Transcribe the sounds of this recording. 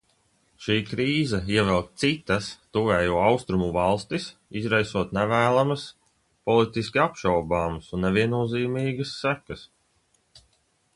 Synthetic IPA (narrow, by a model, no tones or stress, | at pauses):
ʃiːkɾiːzɐiɛvɛlˠk̚t̪sit̪ɐst̪uvɛːjuɔawst̪ɾumuvalˠst̪isizɾajsuɔt̪nɛvæːlˠamɐs | pɔlˠit̪iskʲiapʃawbaːmsunːɛvʲiɛnuɔziːmiːɡəsːækɐs